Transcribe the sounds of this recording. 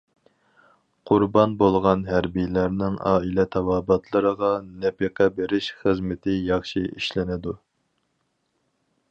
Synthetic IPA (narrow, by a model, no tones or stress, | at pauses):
qʰʊɾbɑnbolˠʁɑnɦæɾbijlæɾnɪŋɑ̰ːilɛt̪ʰɑwɑːbɑt̪ʰlˠəɾəʁɑnɛpeqʰɛbeɾɪʃχəzmɪt̪ʰɪjɑχʃiiʃlɪnɪd̪u